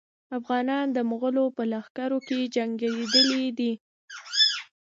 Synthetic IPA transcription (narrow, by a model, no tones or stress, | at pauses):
afɣɑnɑnd̪əmuɣəlopəlaxkaɾoked͡ʒaŋɡaɾed̪əlid̪i